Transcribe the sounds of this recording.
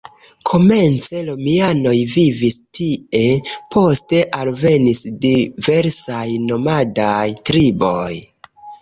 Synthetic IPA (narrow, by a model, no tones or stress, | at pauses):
kʰo̞me̞nt͡se̞lomiano̞jvivistie̞pʰo̞ste̞ʔalve̞nisdive̞ɾsajno̞madajtɾibo̞j